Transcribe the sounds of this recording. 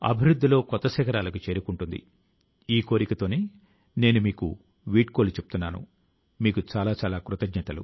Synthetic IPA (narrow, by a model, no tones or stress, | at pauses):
ɐ̰bʱiɾud̪ʱːilo̞ːkɔt̪ːɐsɛːkɐɾaːlɐkut͡ʃe̞ːɾukuɳʈund̪ḭ | iːko̞ːɾikɐt̪o̞ːneː | ne̞ːnumiːku | ʋiːʈko̞ːlut͡ʃep̚ut̪unːaːnṵ | miːkut͡ʃaːlaːt͡ʃaːlaːkɾut̪ɐɡɲɐt̪ɐlṵ